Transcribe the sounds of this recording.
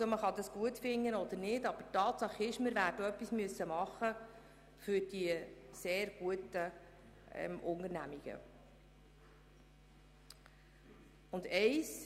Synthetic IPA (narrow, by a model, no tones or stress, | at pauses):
soməχɑd̪ɑsɡ̥uətfɪŋːənɔd̪əɾnɪdɑb̥ətɑːt̪sɑχɪʃməɾvæːɾdəœpːismyəsːəmɑχːə | fʏɾd̥iseːɾɡ̥uətə | ɛ̰mʔʊŋəɾnæmiɡ̥ə̰ | ʊndɛɪs